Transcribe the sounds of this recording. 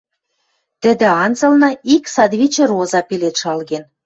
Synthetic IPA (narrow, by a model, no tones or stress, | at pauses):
t̪ɘ̆d̪ĕɑnzɤ̆lnɑiksɑd̪βʲit͡ɕerozɑpelet̪ʃɑlɣen